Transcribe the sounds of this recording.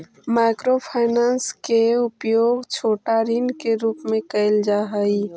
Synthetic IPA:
makɾopʰaɪnanskeʊpjoːɡt͡ʃʰoːʈaɾinkeɾuːpmẽkəld͡ʒaɦəi

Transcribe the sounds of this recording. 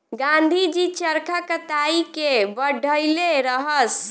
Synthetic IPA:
ɡãnd̪ʱid͡ʒit͡ʃəɾkʰakət̪aikebəɖʱəleɾəɦəs

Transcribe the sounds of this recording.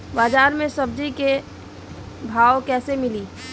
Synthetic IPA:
baːd͡ʒaːɾmẽsəbd͡ʒike | bʱaːwkɛːsemɪliː

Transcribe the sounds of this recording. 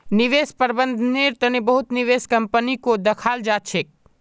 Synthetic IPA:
niʋespəɾbənd̪ʱneɾt̪ənebəɦut̪niʋeskəmpənikod̪əkʰald͡ʒat͡ʃʰek̚

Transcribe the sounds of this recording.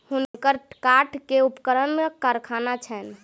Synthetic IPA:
hunkəɾkaʈkeupkəɾənkaɾkʰanat͡ʃʰɛn

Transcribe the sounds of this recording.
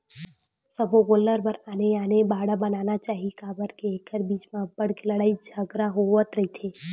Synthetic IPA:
səbʱoɡoləɾbəɾaːneaːnebaːɽabənaːnat͡ʃaːɦikaːbəɾkeeːkʰəɾbiːt͡ʃmãbəɽkeləɽaːid͡ʒʱaɡɾaɦoʋət̪ɾəɦit̪ʰeː

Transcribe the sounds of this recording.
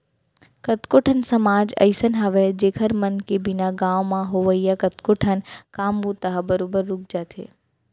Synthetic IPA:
kɐt̪koːʈʰənsɐmaːd͡ʒɐ̰ɪsənɦaʋɛd͡ʒeːkʰəɾmɐnkebɪnaɡãːʋmãɦoʋəijakɐt̪koːʈʰənkaːmbut̪ɐɦabəɾoːbəɾːʊk̚d͡ʒaːt̪ʰḛː

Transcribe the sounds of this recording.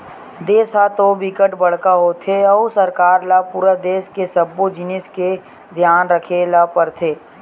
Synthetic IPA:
d̪eːsat̪obɪkəʈbɐɽ̤kaɦot̪ʰeɔːsəɾkaːɾlapuːɾad̪eːʃkesəbːod͡ʒɪnɪske | d̪ʱjaːnɾəkʰelapəɾt̪ʰeː

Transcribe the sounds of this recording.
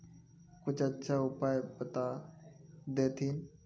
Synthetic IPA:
kʊt͡ʃət͡ʃʰaːʊpaːjpət̪aː | d̪eːt̪ʰiːn

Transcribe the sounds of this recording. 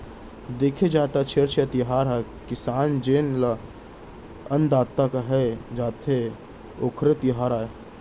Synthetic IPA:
d̪eːkʰed͡ʒaːt̪at͡ʃʰeɾt͡ʃʰjət̪ɪɦaːɾakɪsaːnd͡ʒeːnla | ənd̪aːt̪ːakaɦɛd͡ʒaːt̪ʰe | oːkʰɾet̪ɪɦaːɾaːe

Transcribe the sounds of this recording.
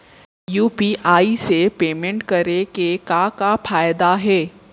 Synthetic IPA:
juːpiʔaːisepeːmẽɳʈkɐɾekekakafaːjd̪aɦɛː

